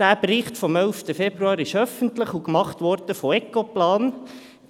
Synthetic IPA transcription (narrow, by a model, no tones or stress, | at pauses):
æːprɪχtfɔmɛlftəfɛbɾuɑːɾɪʃœfəntlɪχukmɑχtʋɔɾd̥əfɔɛkoplɑːn